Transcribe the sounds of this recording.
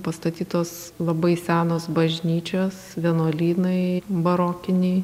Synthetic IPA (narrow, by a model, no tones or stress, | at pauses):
pɐst̪ɐt̪ʲiːt̪oːs | lˠɐbɐɪsʲæːnoːsbɐʒʲnʲiːt͡ʃʲoːsʋʲinoːlʲiːnɐɪbɐɾoːkʲɪnʲɛɪ